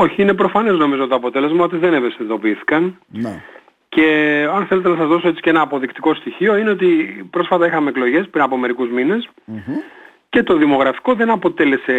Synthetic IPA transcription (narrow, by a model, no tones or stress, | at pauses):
o̞çiine̞p̬ɾo̞fɐne̞zno̞mizot̪oɐpo̞t̪e̞le̞zmɐot̪iðe̞nevesiðo̞piiθi̥kɐn | n | ce̞ɐnθe̞le̞t̪enɐsɐzðo̞soe̞t͡si̥ce̞nɐːpo̞ðikt̪i̥ko̞st̪içio̞ine̞o̞t̪ipɾo̞sfɐt̪ɐixɐme̞ːklo̞ʝe̞spɾinɐpo̞me̞ɾikuzmine̞s | ce̞t̪o̞ðimo̞ɣɾɐfi̥ko̞ðe̞nɐpo̞t̪e̞le̞se̞